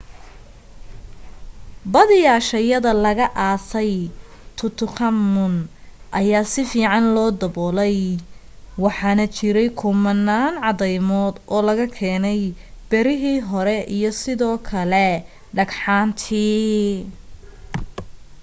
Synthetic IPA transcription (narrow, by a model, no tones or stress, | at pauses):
bɐðɪjaːʃɐjɐðɐlɐɣɐʔaːsɛj | t̪ʰʊt̪ʰʊqɐmːʊnʔɐjaːsɪfiːʕɑnlɔːd̪ɐbɔːlɛj | wɑħɑːnɐt͡ʃɪɾɛjkʰʊmɐnːaːnʕɑðɛjmɔːd̪ʔɔːlɐɣɐkʰɛːnɛjb̥ɛɾɪɦiːɦɔɾɛʔijɔsɪðɔːkʰɐlɛ | ɖɐɡħaːnt̪ʰiː